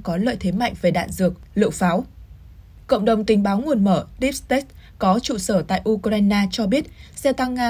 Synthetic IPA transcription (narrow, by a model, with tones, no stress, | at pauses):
kɔ˨˦lə̰ː˧˨jt̪ʰe˨˦ma̰˧˨jŋ̟ve˨˩ɗa̰ː˧˨nzɨ˨˩ək̚lɨ̰˧˨wfaː˨˦w | kə̰˧˨wŋ͡mɗə˨˩wŋ͡mt̪ï˨˦ŋ̟ɓaː˨˦wŋu˨˩ənməː˧˩ɾi˦˥p̚st̪ɛ˦˥tkɔ˨˦t͡ɕṵ˧˨səː˧˩t̪a̰ː˧˨jʔu˧kɾaː˧jnaː˧t͡ɕɔ˧ɓi˦˥ət̚sɛ˧t̪a˧ŋːaː˧